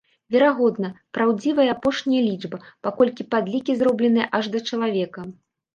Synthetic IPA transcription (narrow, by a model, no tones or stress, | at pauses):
vʲɛɾaɣɔd̪nɐpɾawd͡zʲivɐjɐapɔʂnʲijɐlʲid͡ʐbɐpakɔlʲkʲipad̪lʲikʲizɾɔblʲɛnɨjɛʔɐʐd̪ɐt͡ʂɐlˠavʲɛkɐ